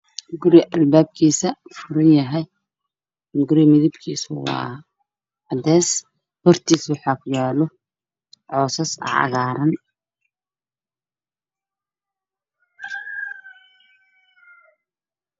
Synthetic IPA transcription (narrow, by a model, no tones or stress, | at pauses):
ɡʊɾɛʔɐlbaːb̚kʰiːsɐfʊɾɪnjɐɦɛj | ɡʊɾimɪðɪbkʰiːswɑ̰ː | ɐd̪ɛːs | hɔrt̪ʰiːswɑħɑːkʰʊjaːlɔ | ʕɔːsɐsɐ̰ɐ̰ɣaːɾɐn